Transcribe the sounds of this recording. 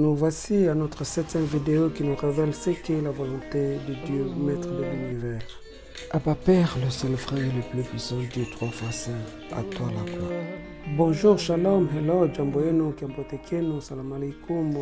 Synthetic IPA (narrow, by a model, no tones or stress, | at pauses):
nuvasianɔt̪χəsɛt̪jɛ̃mvid̪eokinuʁevɛlsɛkəlavalɔ̃t̪ed̪əd̪jømɛt̪χəd̪əlinivɛl | abapɛʁləsɛlfʁɛ̃ləplypɥisɑ̃d̪et̪ʁwafasɛ̃ | a̰t̪walaka | bɔ̃ʒuʁʃalɔmɦɛlɔd͡ʒãmboenukiãmbot̪ekʰenusalamalɛkum